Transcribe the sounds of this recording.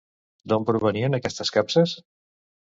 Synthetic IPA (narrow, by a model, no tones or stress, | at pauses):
d̪ompɾuβəniənəkɛst̪əskapsəs